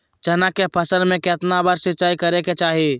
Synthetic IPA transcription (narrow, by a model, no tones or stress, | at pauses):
t͡ʃɐnakepʰɐsəlmẽket̪nabaːɾsɪt͡ʃaːikɐɾeket͡ʃaːɦie